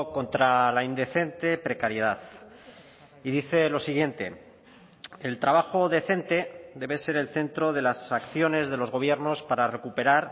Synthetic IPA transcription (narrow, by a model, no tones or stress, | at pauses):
ko̞nt̪ɾalaind̪e̞θe̞nt̪e̞pɾe̞kaɾjeð̞að | iðiθe̞lo̞siɣ̞je̞nt̪e̞ | elt̪ɾaβ̞axo̞ðe̞θe̞nt̪e̞d̪e̞βe̞se̞ɾelθe̞nt̪ɾoð̞e̞lasakθjo̞ne̞zðe̞lo̞zɣ̞o̞β̞je̞ɾno̞spaɾare̞kupe̞ɾaɾ